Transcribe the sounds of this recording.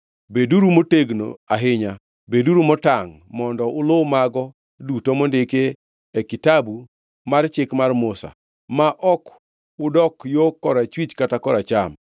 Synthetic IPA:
beduɾumoteɡno̰aɦɪɲa | beduɾumɔtaŋmɔndɔʔʊlowmaɡɔ | dutomondeke | ekitabu | mart͡ʃɪkmarmʊsa̰ | maʔɔk | ʊdɔkjokːɔɾat͡ʃwit͡ʃkatakɔɾat͡ʃam

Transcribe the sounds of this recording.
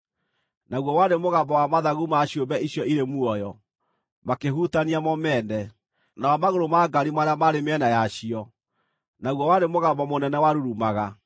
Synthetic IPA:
naɣwɔwaɾemoɣambɔwamaðaɣumaɕjombɛiɕjɔiɾemuɔjɔ | makeɦuːtaniamɔmɛːndɛ | nawamaɣoɾomaɡaɾimaɾeamaɾemeɛnajaɕiɔ | naɣwɔwademoɣambɔmonɛnɛwaɾuɾumaɣa

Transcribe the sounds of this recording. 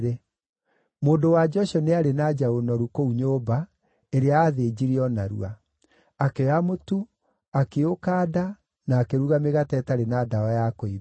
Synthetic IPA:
ɾe | moːndowad͡ʒɔʃɔneaɾenad͡ʒaonɔɾukouɲoːba | eɾeaːðed͡ʑiɾiɔnaɾṵa | akeamotu | akeokaːda | naːkeɾuɣameɣatɛtaɾenaːdaɔjakoi

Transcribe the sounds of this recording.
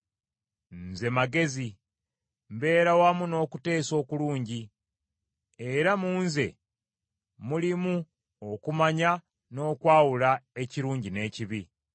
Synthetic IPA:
nze̞maɡe̞zi | mbe̞ːɾawamuno̞ːkute̞ːso̞ːkuluːɲɟi | e̞ɾamuːnze̞̰ | mulimu | okumaɲa | no̞ːkwaːwulae̞ciɾuːɲɟine̞ːciβi

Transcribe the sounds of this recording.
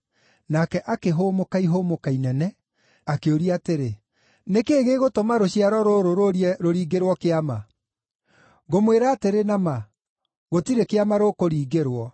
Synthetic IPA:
nakɛʔakeɦoːmokaiɦomokainɛnɛ | akeoɾiateɾe | nekeːɣeɣotomaɾoɕiaɾɔɾoɾoɾoɾiɛɾoɾiːɡeɾwɔkeama | ɣomweɾaːteɾenama | ɣotiɾekeamaɾokoɾiːɡeɾwɔ

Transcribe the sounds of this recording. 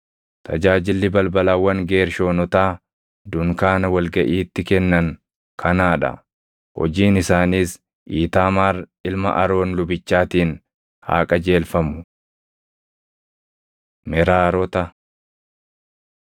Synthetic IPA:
t̪ʰɐd͡ʒaːd͡ʒɪlːɪbɐlbɐlɐwːɐŋɡe̞ːɾʃo̞ːnɔt̪aː | d̪ʊŋkaːnɐwɐlɡɐʔiːt̪ːɪkɛnːɐŋ | kʰɐnaːᶑɐ̰ | hɔ̰d͡ʒiːnɪsaːniːs | ʔiːt̪aːmaːrɪlmɐ̰ʔɐɾo̞ːnlʊbɪt͡ʃːaːt̪iːn | ha̰ːkʼɐd͡ʒe̞ːlfɐmʊ | mɛɾaːɾɔt̪ɐ

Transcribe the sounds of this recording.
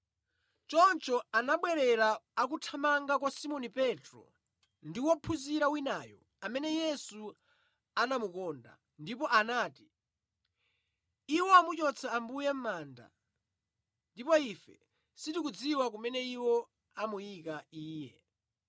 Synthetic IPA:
t͡ʃɔnt͡ʃɔanaɓwɛɾɛɾaak̬utʰamaŋɡak̬wasimɔnipɛtɾɔ̰ | ndiwɔpʰuziɾawinaːjɔ | amɛnɛjɛsu | anamukɔːnda̰ | ndipɔʔanaːti̥ | iwɔamut͡ʃɔt͡sʰaːmbujɛm̩maːnda̰ | ndipɔifɛ̰ | sitikud͡ziwak̬umɛnɛiwɔ | amujikaiːjɛ

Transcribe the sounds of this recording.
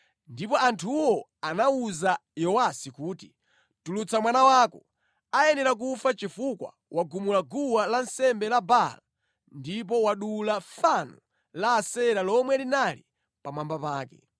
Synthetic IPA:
ndipɔantʰuwɔ | anauzajɔwasikuːti | tulut͡samwanawaːkɔ | ajɛnɛɾak̬ufat͡ʃifukwa̰ | waɡumulaɡuwalansɛmbɛlabala | ndip̬ɔwaɗulafanu | laːsɛɾalɔmwɛlinalḭ | pamambapaːkɛ̰

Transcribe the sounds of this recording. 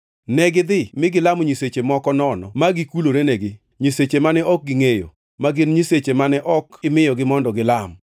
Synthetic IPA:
nɛɡɪd̪ɪmɪɡɪlamɲiset͡ʃemɔkɔnɔnɔ̰maɡɪkuloɾenɛɡɪ | ɲiset͡ʃemanɛɔk̚ɡɪŋejo̰ | maɡɪnɲiset͡ʃemanɛʔɔkɪmɪjɔɡɪmɔndɔɡɪlam

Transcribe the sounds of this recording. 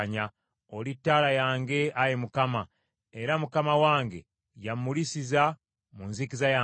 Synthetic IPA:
ɲa | olitːaːlajaːŋɡe̞ajemukama | e̞ɾamukamawaːŋɡe̞̰ | jamːulisiza | munzikizaja

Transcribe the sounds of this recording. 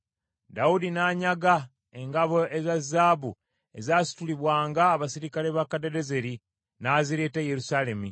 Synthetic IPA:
daudinaːɲaɡa | eŋɡaβoʔezazːaːβu | e̞zaːsi̥tuliβwaːŋɡaːβasiɾikale̞βakadedeze̞ɾi | naːziɾe̞ːtejeɾusaːle̞mu

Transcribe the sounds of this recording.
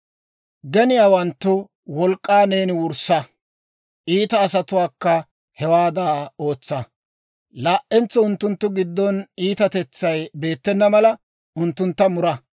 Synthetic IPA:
ɡɛnɪjaːwɐnt̪ːʊ | wɔlkʼːaːneːnɪwʊɾsɐ | ʔiːt̪ɐːsɐt̪ʊwaːkːɐ | hɛwaːd̪aːo̞ːt͡sːɐ | laːʔɛnt͡sːɔʊnt̪ːʊnt̪ːʊɡɪd̪ːɔniːt̪ɐt̪ɛt͡sːɐjbe̞ːt̪ːɛnːɐmɐlɐ | ʊnt̪ːʊnt̪ːɐmʊɾɐ

